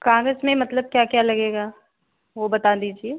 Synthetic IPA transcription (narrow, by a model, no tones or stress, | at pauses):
kãːŋɡəsmẽmɐt̪ləb̚kjaːkjaːlɐɡeːɡaː | ʋobɐt̪ad̪iːd͡ʒieː